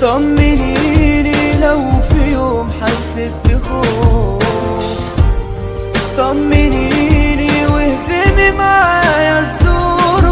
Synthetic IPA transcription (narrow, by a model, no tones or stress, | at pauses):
t̪ˤɑmːɪninilawfijoːmħazːɪt̪̚bɪxoː | t̪ɑmːɪniniwɪhzɪmimajazːuɾ